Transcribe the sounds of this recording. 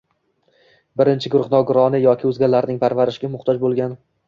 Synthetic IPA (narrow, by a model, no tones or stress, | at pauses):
bɪɾɪnt͡ʃʰɪɡʊɾʊχnɒɡʊɾɒnɪjɒkʲʰɪɵzɡʲalːaɾnɪŋpʰaɾvaɾɪʃɡʲamʊχt̪ʰɒd͡ʒbolˠɡʲan